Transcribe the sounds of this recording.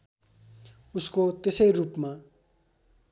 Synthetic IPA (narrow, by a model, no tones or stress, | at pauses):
uskot̪esʌjrupma